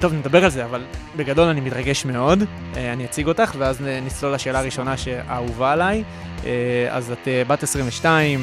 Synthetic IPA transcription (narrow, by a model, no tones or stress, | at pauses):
t̪o̞vned̪abe̞ʁalze̞aval | be̞ɡado̞lanimitʁaɡe̞ʃme̞o̞d | eaniat͡siɡo̞taχveaznit͡slolaʃeːlaːʁiʃo̞naʃeʔa̰uvaːlaj | ea̰zatebatesʁiɱveʃtaim